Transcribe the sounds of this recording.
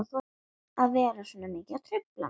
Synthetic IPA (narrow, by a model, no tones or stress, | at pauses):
θo | aðvɛːɾasɔːnamɪːcat̪ʰɾʏpla̰